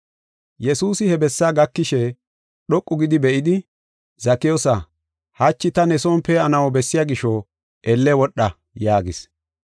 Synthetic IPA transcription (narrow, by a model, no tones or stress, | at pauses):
jɛsuːsɪhɛbɛsːaːɡɐkːɪʃɛ | ɗɔkʼːʊɡɪd̪ɪbɛʔɪd̪ɪ | zɐkːɪjɔsɐ | hɐt͡ʃːɪt̪ɐnɛsɔːmpɛɐnɐwɔbɛsːɪjaɡɪʃɔ | ʔɛlːɛwɔɗːɐ | jaːɡɪs